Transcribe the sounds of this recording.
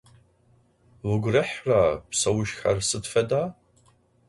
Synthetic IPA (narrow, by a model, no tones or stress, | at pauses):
wʷʊɡʷʊrɨħrapsɐwʊʃxa̰rsɨdfɐdaː